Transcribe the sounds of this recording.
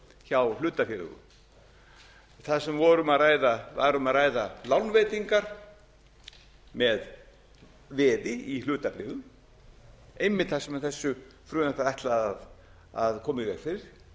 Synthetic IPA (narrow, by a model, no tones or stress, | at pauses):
çawlʏːt̪afɪɾʏ̰ɣʏ̰m | θasɛmvɔɾʏmaðraːjðava̰ɾʏmaðraːjðalawnveːjt̪iŋkaɾ̥ | mɛð | vɛːðɪilʏːt̪apɾɪːðʏm | ejmːɪt̪θasɛmaθɛsːʏfɾʏːnapaɾɛht̪laað | aðkʰɔːmɪvɛɾfɪɾɪɾ̥